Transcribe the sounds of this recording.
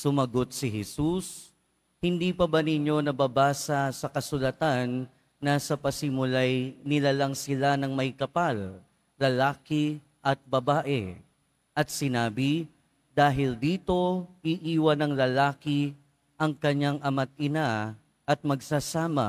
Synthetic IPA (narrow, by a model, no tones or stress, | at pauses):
sʊmɐɡo̞t̪̚sɪɦɛsus | hɪnd̪iːpɐbɐnɪɲːo̞nɐbabaːsɐsɐkɐsʊlɐt̪anː | asɐpɐsɪmʊlajnɪlalɐŋsɪlanɐŋmɐjkɐpal | lɐlaːkɪ | ʔɐt̪̚bɐbaːʔɛ̰ | ʔɐt̪̚sɪnaːbɪ | d̪aːɦɪld̪iːt̪o̞ʔiʔiːwɐnɐŋlɐlaːkɪ | ʔɐŋkɐɲːaŋʔɐmat̪̚ɪna | ʔɐt̪̚mɐɡsasaːmɐ̰